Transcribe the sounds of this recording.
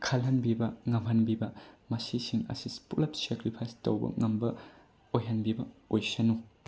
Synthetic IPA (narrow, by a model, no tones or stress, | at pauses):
kʰɐlɦɐnbibɐŋɐmɦɐnbibɐmɐsisiŋɐ̰sispulɐp̚sekɾipʰajstɐwbɐ̰ŋɐmbɐ | ojɦɐnbibɐojsɐnu